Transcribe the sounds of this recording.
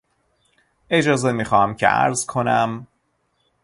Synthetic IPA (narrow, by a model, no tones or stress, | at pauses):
e̞d͡ʒɒːze̞miːxɒːhæmcʰḛʔæ̰ɾzkʰo̞næm